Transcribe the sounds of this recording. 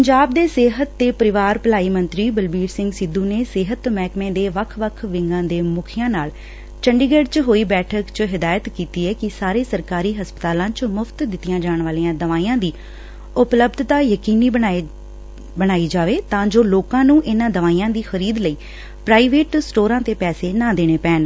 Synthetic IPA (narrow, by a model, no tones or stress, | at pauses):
pəɲd͡ʒaːb̚d̪eːsɪɦət̪ːeːpəɾɪʋaːɾpəlaːiːmənt̪ɾiːbəlbiːɾsɪ̃ŋɡsɪd̪uːneːsɪɦət̪mɛːkmẽːd̪eːʋəkʰʋəkʰʋɪŋɡãːd̪eːmʊkʰɪjãːnaːl | t͡ʃəɳɖiːɡeːɖt͡ʃɦoːiːbɛːʈʰəkt͡ʃɦɪd̪aːjət̪kiːt̪iːɛːkɪsaːɾeːsəɾkaːɾiːɦəspət̪aːlãːt͡ʃmʊfʰt̪d̪ɪt̪ːijãːd͡ʒaːɳ̃ʋaːlijãːd̪əʋaːĩjãːd̪iː | ʊpləbd̪t̪aːjəkiːniːba | bəɽ̃aːiːd͡ʒaːʋeːt̪ãːd͡ʒoːloːkãːnũːʔɪnãːd̪əʋaːiãːd̪iːxəɾiːd̪ləiː | pɾaːiːʋeːʈsʈoːɾãːt̪eːpɛːseːnãːd̪eːɽ̃eːpɛːn